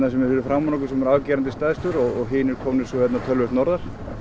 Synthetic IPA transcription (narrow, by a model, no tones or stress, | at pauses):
nasɛmɛɾfɪɾʏfɾamːɔnɔkʏ̥sɛmɛɾaːwcɛːɾant̪ɪst̪aːðst̪ʏɾɔɣɔɣɦɪːnɪɾkʰɔmnɪɾsɔhvɛt̪nat̪ʰœlvʏht̪nɔɾðaɾ̥